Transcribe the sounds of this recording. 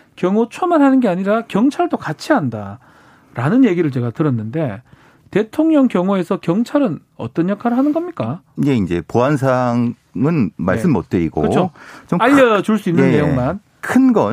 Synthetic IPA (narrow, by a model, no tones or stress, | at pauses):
kjʌŋot͡ɕʰʌmanɦanɯnɡe̞aɲiɾakjʌŋt͡ɕʰaɭdokat͡ɕʰianda | ɾanɯnje̞ɡiɾɯɭt͡ɕe̞ɡatɯɾʌnːɯnde̞ | te̞tʰoŋɲʌŋkjʌŋoe̞sʰʌkjʌŋt͡ɕʰaɾɯn | ʌ̰t͈ʌnjʌkʰaɾɯɭɦanɯnɡʌmɲik͈aje̞ind͡ʑe̞̰poɦans̬ʰaŋ | ɯnma̰ɭs͈ɯmːʌ̰t̚t͈eiɡo̰kɯt͡ɕʰot͡ɕomaʎːʌt͡ɕuɭs͈uinːɯneːe̞joŋman | kʰɯnɡʌ